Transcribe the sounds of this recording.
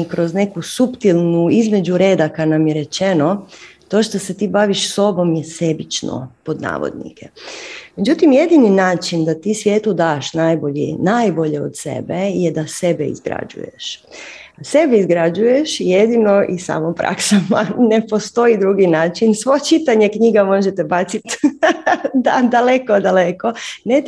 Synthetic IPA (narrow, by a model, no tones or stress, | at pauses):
kɾo̞zne̞kusupt̪ilˠnuizme̞d͡ʑuɾe̞ːd̪akad̪namjeɾe̞t͡ʃeno̞t̪o̞ʃt̪ose̞t̪iːbaʋiʃso̞bo̞mjese̞bit͡ʃno̰po̞d̪na̰ːʋo̰d̪nḭkʰeme̞d͡ʑut̪imje̞d̪ininaːt͡ʃind̪at̪iːsʋjeːt̪ud̪aːʃnaːjbo̞ʎḭnajbo̞ʎeo̰t̪sḛbejed̪asebeḭzɡɾa̰d͡ʒṵjḛʃ | sebeizɡɾad͡ʒuje̞ʃijed̪inoʔisa̰ːmopɾa̰ksamanepo̞st̪o̞id̪ɾuɡinaːt͡ʃinsʋot͡ʃit̪aɲekɲiɡamo̞ʒet̪ebat̪sit̪ | d̪ad̪alekod̪aleko̞net̪